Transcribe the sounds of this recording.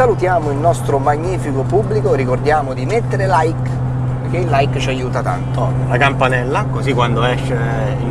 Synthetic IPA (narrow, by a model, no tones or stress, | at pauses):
alut̪jaːmoilnɔst̪ɾomaɲːiːfikopubːlikoɾikord̪jaːmod̪imet̪ːeɾelajk | peɾk̟eilːajkt͡ʃiajːuːt̪at̪a̰nt̪o | lakampanɛlːakozikːwand̪oɛʃːe | ḭ